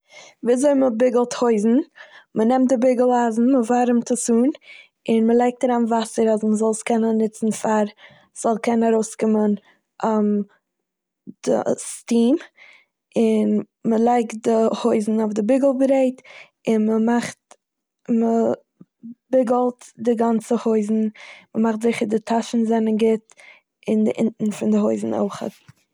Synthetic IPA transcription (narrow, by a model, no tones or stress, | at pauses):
viːzoɪməbɪɡəlˠthoɪzn̩mənɛmt̚dɪbɪɡəl̩ˠazn̩məvaːɾɪmtəsuːn | ɪnməlˠaɪk̚taɾanvasəɾasməzɔlˠskɛnənːɪt͡sn̩faɾ | z̥ɔlˠkʰɛnaɾoʊskɪmən | am | d̥ə̰stiːm | ɪn | məlˠaɪkt̚dɪhoɪzn̩ofdɪbɪɡəl̩ˠbɾeɪt | ɪnməmaχt | mə | bɪɡəlˠtdɪɡant͡səhoɪzn̩məmaχtzɪχəɾdɪtʰaʃn̩zɛnənɡɪt | ɪndɪʔɪ̰ntn̩fɪndɪɦoɪzn̩o̰ʊχə̰t